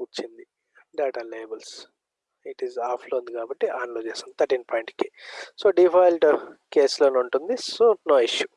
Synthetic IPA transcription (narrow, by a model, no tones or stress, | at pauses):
ut͡ʃːind̪i | ɖaːʈaleːbɐls | iʈizaːpʰloːund̪ikaːbɐʈːiʔaːnloːt͡ʃeːsɐnd̪it̪ʰɐɾʈiːnpaːjɳʈkisoːɖipʰajlɖkeːsloːnuɳʈund̪isonoːiʃju